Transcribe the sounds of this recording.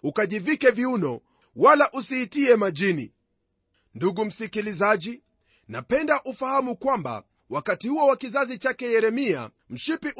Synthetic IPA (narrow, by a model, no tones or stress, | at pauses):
ukaʄivikɛviunɔ | walaʔusihitiɛmaʄinḭ | nduɠum̩sikilizaʄi | napɛndaʔufahamukwamba̰ | wakatihuɔwakizazit͡ʃakɛjɛɾɛmia̰ | m̩ʃipiʔ